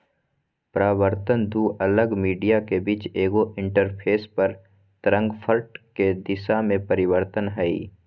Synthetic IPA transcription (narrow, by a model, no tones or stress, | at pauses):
pɾaːwəɾt̪ənd̪uʔɐləɡmiːɖijakebiːt͡ʃeːɡoʔɪ̃ɳʈəɾpʰeːspɐɾ | t̪ɾə̃ŋɡpʰəɾʈked̪ɪʃamẽpəɾɪwəɾt̪ənɦɛḭː